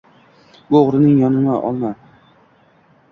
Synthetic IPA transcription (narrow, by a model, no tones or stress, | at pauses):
boʁɾɪnɪŋjɒnʊmaʔɒ̰lˠma